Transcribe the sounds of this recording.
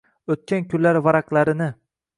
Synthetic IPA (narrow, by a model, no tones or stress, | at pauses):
ɵt̪̚kʲankʲʰʊlːaɾvaɾaqlˠaɾɪnɪ